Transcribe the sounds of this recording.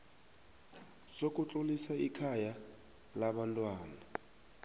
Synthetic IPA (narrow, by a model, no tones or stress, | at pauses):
sok̬ʼut͡ɬʼulisaikʰaja | laɓantʼwaːna